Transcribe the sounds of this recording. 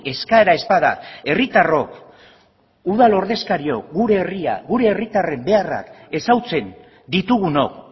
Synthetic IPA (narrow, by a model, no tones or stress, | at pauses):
e̞skaeɾae̞spaða̰e̞rit̪aro̞k | uðalo̞ɾð̞e̞skaɾio̞kɡuɾe̞ːria̰ɣuɾe̞ːrit̪are̞mbe̞ara̰ke̞sawt͡se̞n | d̪it̪uɣ̞uno̞̰k